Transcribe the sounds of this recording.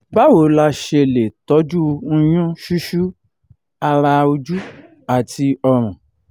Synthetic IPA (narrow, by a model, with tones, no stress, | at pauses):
ba˨˦wo˨˦la˧ʃe˧le˨tɔ˨˦d͡ʒũ˦˧j̃ũ˦ʃu˦ʃu˦ | a˧ɾa˧o˧d͡ʒu˦ | a˨ti˧ɔ˧ɾ̃ɔ̃˨